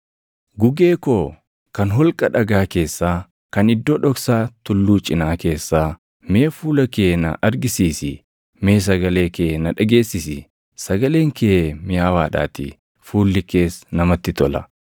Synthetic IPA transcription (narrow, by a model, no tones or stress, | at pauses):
ɡʊɡe̞ːko̞ː | kɐnɦɔlkʼɐᶑɐɡaːke̞ːsːaː | kɐnɪd̪ːo̞ːᶑɔksaːt̪ʊlːuːt͡ʃʼːɪnaːke̞ːsːaː | me̞ːfuːlɐke̞ːnɐ̰ʔɐɾɡɪsiːsɪ | me̞ːs̬ɐɡɐle̞ːke̞ːnɐᶑɐɡe̞ːsːɪsɪ | sɐɡɐle̞ːŋkʰeːmɪjaːwaːᶑa̰ːt̪ɪ̰ | fuːlːɪke̞ːsnɐmɐt̪ːɪt̪ɔlɐ̰